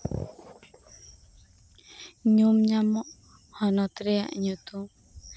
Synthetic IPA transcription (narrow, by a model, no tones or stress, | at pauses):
ɲumɲamɔʔ | hɔnɔt̪ɾɛja̰ʔɲut̪u